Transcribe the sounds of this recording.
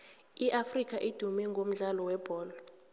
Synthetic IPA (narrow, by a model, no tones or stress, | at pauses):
iʔafrik̬ʰʼaʔid̥ʱumɛŋɡʱom̩ɮalɔwɛb̥ʱɔːlɔ